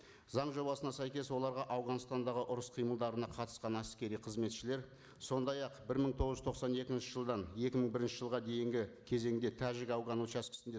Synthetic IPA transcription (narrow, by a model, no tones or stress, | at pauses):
zɑɴʒo̞bɑsənɑsæjkʲe̞swo̞lˠɑɾʁɑʔɑwʁɑnəst̪ɑnd̪ɑʁəʔʊɾəsqʰijməlˠd̪ɑɾənɑqʰɑt̪ə̥sqɑnæskʲe̞ɾijqʰəzme̞t̪ʃɪle̞ɾ | so̞nd̪ɑjɑqbɪɾməɴt̪ʰo̞ʁəʒʏt̪ʰoqsɑne̞kʲɪnʃɪʒəlˠd̪ɑne̞kʲɪməɴbɪɾɪnʃɪʒəlˠʁɑd̪e̞jɪŋɡʲɪkʲʰe̞ze̞ŋɪd̪e̞t̪ʰæʒɪkɑwʁɑnut͡ʃæskʲɪ̥sɪnd̪e